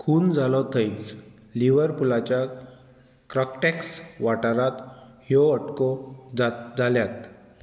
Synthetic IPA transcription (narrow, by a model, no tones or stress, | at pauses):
kʰuːnd͡zalɔt̪ʰəjt͡s | liʋəɾpulat͡ɕja | kɾɔkʈɛksʋaʈəɾat̪ɦjɔəʈkɔd͡zat̪d͡zaljat̪